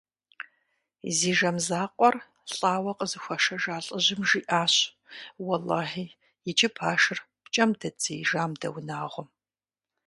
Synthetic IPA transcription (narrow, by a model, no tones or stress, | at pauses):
ziːʒɐmzaːqʷʼɔr | ɬʼaːwɐqʼəzɨxʷɐʃɐʒaːɬʼəʑɪmʒiːʔaːɕ | wɐlɑːhiː | jɪt͡ʃʼɪpʰaːʃɨr | pt͡ʃʼɐmdɐt͡sʼijʒaːmdɐ̰wnaːʁʷʊm